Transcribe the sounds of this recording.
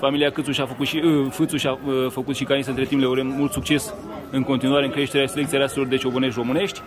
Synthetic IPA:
familiakɨt̪suʃʲafəkut̪ʃifɨt̪suʃʲafəkut̪ʃikains̬əɨnt̪ɾe̞t̪impleaɾemmult̪sukt͡ʃe̞s | ɨŋko̞nt̪inuaɾe̞ɨŋkɾe̞ʃt̪eɾeaselek̪̚iaɾaselo̞rd̪e̞t͡ʃo̞bone̞ʃ̬t̪̬ʲro̞mɨne̞ʃt̪ʲ

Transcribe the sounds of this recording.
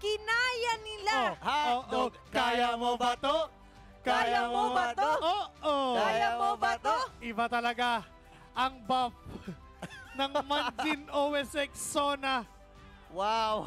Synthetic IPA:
kɪnaːjɐnɪlaooːʔo | kaːjamobɐt̪o | kajaoaʔoʔoajamobɐt̪oʔɪbat̪ɐlɐɡa | ʔɐŋbap̚ | nɐŋmɐnd͡ʒɪnʔowɛsɛksonɐ | waw

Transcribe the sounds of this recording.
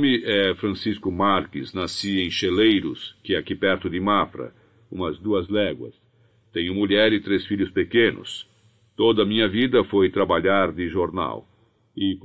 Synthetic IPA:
mɪʔɛfɾɐ̃siskʊmaɾkɪznasiẽj̃ʃelejɾʊskɪɛakipɛɾt̪ʊd̪ɪmafɾɐ̰ | ũmɐzd̪uɐzlɛɡwɐ̰s | t̪ẽɲʊmuʎɛɾɪt̪ɾesfiʎʊspekẽnʊ̰s | t̪od̪ɐmĩɲɐvid̪ɐfojt̪ɾabaʎaɾd̪ɪʒoɾna̰w | ɪ

